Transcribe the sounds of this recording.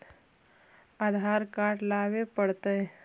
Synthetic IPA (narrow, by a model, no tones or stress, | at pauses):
əd̪ʱaɾkaʈlaʋepəɽt̪əj